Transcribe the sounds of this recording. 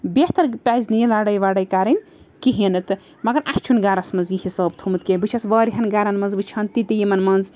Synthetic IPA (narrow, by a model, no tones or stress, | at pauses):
beht̪ɐɾpʲajznijelaːɽɐjʋaɽɐjkaɾɐn | kiɦinɨt̪ɨ | mɐɡɐɾʔaht͡ʃʰunɡaːɾɐsmɐnzihisɐːb̚t̪ʰumɨt̪̚kebɨt͡ʃʰɐsbɐːɾiɦɐnɡaːɾɐnmɐnzbɨt͡ʃʰɐnt̪it̪ijimɐnmɐnz